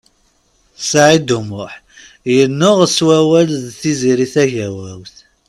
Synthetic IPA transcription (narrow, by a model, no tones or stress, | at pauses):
sʕid̪umʊħ | jənːʊʁswæwælðθiziɾiθæʝæwæwθ